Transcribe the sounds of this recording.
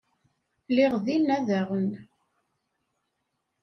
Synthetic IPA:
lɪʁðinːæðæʁən

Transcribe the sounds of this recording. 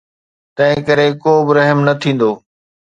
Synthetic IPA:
t̪ɐ̃ɦɪ̃kɐɾekoːbɪɾɐɦmnɐt̪ʰĩːn̆d̪oː

